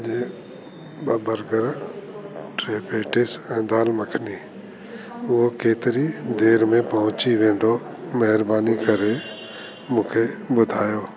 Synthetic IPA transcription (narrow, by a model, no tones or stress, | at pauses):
d͡ʒeː | ɓɐbəɾɡəɾ | ʈɾeːpʰeːʈɪsɛ̃ːd̪aːlmɐkʰni | ʊɦokeːt̪ɪɾid̪eːɾmẽpɐɦʊ̃t͡ɕiʋẽːnd̪o | mɐɦɪɾbaːnikɐɾe | mũːkʰeɓʊd̪ʱaːjoː